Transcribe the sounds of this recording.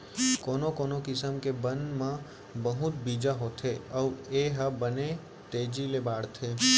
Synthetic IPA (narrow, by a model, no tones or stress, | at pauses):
koːnokoːnokɪsəmkebə̃nd̪mã | bəɦʊt̪biːd͡ʒaɦot̪ʰeɔeːɦəbəne | t̪eːd͡ʒilebaːɽt̪ʰeː